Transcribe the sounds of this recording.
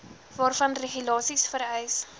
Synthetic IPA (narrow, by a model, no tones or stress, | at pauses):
vɑːrfɐnreχylɑːsisfəɾɛjs